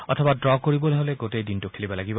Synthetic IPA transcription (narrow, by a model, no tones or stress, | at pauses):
ɔtʰɔbadɹɔkoɹibɔlɛɦɔlɛɡotejdintʊkʰelibɔlaɡibɔ